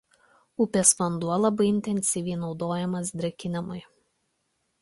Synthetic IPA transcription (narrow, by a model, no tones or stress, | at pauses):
ʊpʲeːsʋɐnd̪uɔlˠɐbɐɪɪnʲt̪ʲɛnʲsʲɪʋʲiɪnɒʊd̪oːjɛmɐsd̪ʲɾʲɛkʲɪnʲɪmɐɪ